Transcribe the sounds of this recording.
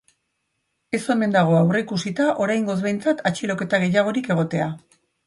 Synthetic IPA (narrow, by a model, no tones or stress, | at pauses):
e̞so̞me̞nd̪aɣ̞o̞awre̞ikusit̪aʔo̞ɾajŋɡo̞zβe̞jnt͡sat̪ʰat͡ʃilo̞ke̞t̪aɣe̞jaɣ̞o̞ɾike̞ɣ̞o̞t̪e̞a